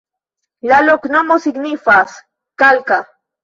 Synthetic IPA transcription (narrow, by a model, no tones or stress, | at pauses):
laloknomosiknifas | kalka